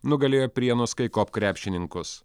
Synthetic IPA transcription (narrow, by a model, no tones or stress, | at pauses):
nʊɡɐlʲeːjoːpʲɾʲiɛnʊskɐɪkoːpkɾʲæːpʲʃʲɪnʲɪŋkʊs